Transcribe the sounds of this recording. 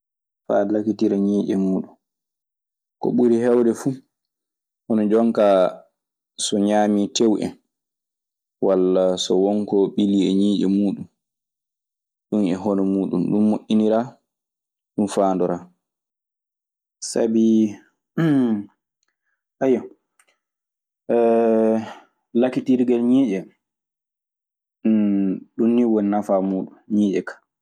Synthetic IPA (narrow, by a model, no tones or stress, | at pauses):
fa̰ːlakitiɾaɲiːʔɛmuːɗum | kɔ̰ɓuɾihɛwdɛfuː | hɔnɔd͡ʒɔŋkaː | sɔɲaːmitewʔɛ̰n | walːasɔwɔŋkɔɓiliɛɲiːʔɛmuːɗum | ɗunɛɦɔnɔmuːɗunɗumːoʔːiniɾa | ɗunfaːndɔɾaː | sa̰bi | ʔajɔ | lakitiɾɡɛlɲiːʔɛ | ɗunːiwɔnnafamuːɗumɲiːʔɛkḁ